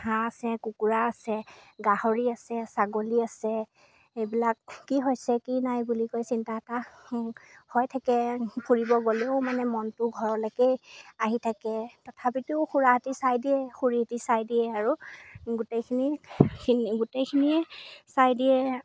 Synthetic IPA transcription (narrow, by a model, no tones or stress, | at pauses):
haasɛkukuɹaːsɛɡahoɹiasɛsaɡoliasɛ | ejbilakːiɦojsɛkinajbulikojsintata | hɔjtʰakɛkʰuɹibɔɡoleʊmanɛmɔntʊɡʱɔɹɔlakejaɦitʰakɛtɔtʰapitʊxuɹaɦatisajdiɛxuɹitisajdiɛaɹuɡutejkʰinikʰiniɡutekʰiniɛsajdiɛ